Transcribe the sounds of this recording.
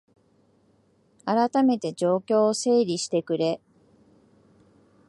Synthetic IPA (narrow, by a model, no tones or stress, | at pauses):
aɾat̪ame̞t̪e̞d͡ʑo̞ːkʲo̞ːse̞ːɾʲiɕi̥t̪e̞kɯ̟ɾe̞